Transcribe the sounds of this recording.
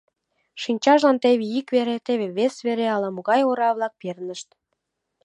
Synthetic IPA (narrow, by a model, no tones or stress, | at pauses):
ʃinʲt͡ɕɑʒlɑnt̪eβeikβeɾet̪eβeβesβeɾeɑlɑmoɣɑjoɾɑβlɑk̚pernəʃt̪